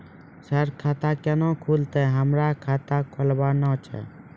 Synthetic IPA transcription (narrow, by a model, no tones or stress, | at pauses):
səɾkʰaːt̪akɛnõkʰult̪ɛɦəmɾakʰaːt̪akʰolbaːnɔ̃t͡ʃʰɛ̰ː